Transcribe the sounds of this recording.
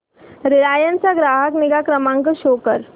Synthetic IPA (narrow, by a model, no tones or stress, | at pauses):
ɾiɾajənt͡saɡɾaːɦəkniɡakɾəmãŋkəɕoːkəɾ